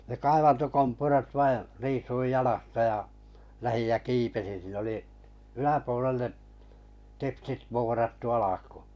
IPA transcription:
ne kɑiʋɑntokompurɑt ʋɑi riːsuij j̆ɑlɑstɑ j̆ɑ læhij jæ kiːpesin̞ siːn oli ylæpuolelːeʔ teksit ʋoːrɑtːu ɑlɑku̥ː

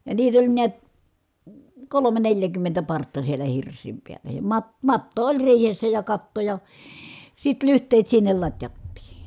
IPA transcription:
jɑ niːt olʲ niæt kolome neljækymːentæ pɑrtːɑ sielæ hirsˑiːm piælːæ jɑ mɑt mɑtːo olʲ riːhesːæ jɑ kɑtːo jɑ sit lyhtˑeːt sinːel lɑtʲjɑtːiː

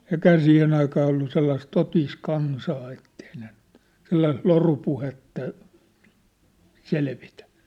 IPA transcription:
eĭkhæː siːhen ɑikɑː olːu selːɑis totiːs kɑnsɑː etːei ne n̥ẙt selːɑis lorupuhetːɑ selʋitæ̥

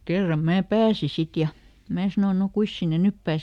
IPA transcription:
kerːɑm mæː pæːsi sit jɑ mæː sɑno no kuis sinːe nyp pæːse

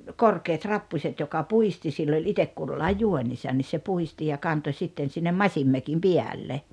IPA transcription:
korkeːt rɑpːusʲet jokɑ puisti silː olʲ itek kulːɑij juonʲisɑn ni se puhisti jɑ kɑnto sitːen sinːem mɑsʲimːøkim piælːe

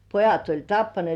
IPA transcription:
pojɑt olʲ tɑpːɑnĭeˑt

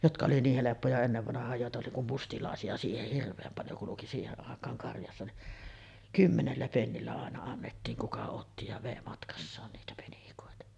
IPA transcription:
jotkɑ oli niːh helepːojɑ enːeʋːɑnɑhˑɑːj joˑetɑ oli kum mustilɑˑesiɑ siːheh hirʋˑeːm pɑljo kuluki siːheʔ ʔɑˑekˑɑːŋ kɑrjɑsːɑ ni kymːenelːæ penːilːæ ɑˑenɑ ɑnːetːiːŋ kukɑ otːi jɑ ʋeˑi mɑtkɑsːɑːn niːtæ penikoˑetɑ

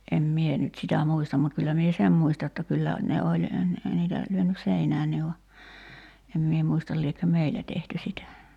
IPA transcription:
em mie nyt sitæ muistɑm mut kylːæ mie sem muistɑ jotːɑ kylːæ ne olʲ n̩ niːtæ lyønys seinæːnːi ʋɑ em mie muistɑl liekːø meilæ tehty sitæ

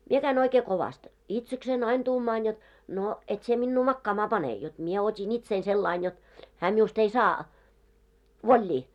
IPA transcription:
mie kæin oikeː koʋɑst itseksein ɑin tuːmɑːn jot no et sie minːu mɑkːɑːmɑː pɑne jot mie otʲin itsein selːɑin jot hæː miust ei sɑː ʋolʲːiː

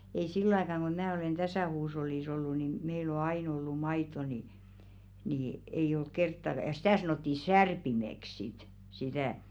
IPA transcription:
ei silːŏ ɑikɑˑŋ ɡ̊o mæː oleˑn tæsæˑ huːsh̞olːiˑs olːu ni meil o ɑin olːu mɑitˑo ni ni ei olk kertːɑk̆ɑ̆ jɑ̆ sĭtæˑ sɑnoˑtːi særpimek sit sitæˑ

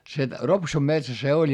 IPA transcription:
se ropsum metsæ se olʲ

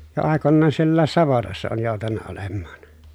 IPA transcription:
jo ɑˑekonːɑːn sielːæːs sɑʋotɑsːɑ oːn joˑu̞tɑnːɑ olemːɑːn

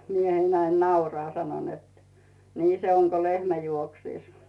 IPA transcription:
miehein næin nɑurɑː sɑno net niː se oŋ ko lehmæ juoksiˑs

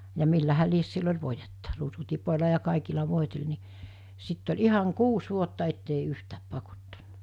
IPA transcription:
jɑ milːæhæ lies silː olʲ ʋoijetːɑ ruːsutipolʲɑ jɑ kɑˑikilɑ ʋoˑitel ni sitː olʲ ihɑŋ kuːs ʋuotːɑ etːei yhtæːp pɑkotːɑnːɑ̥

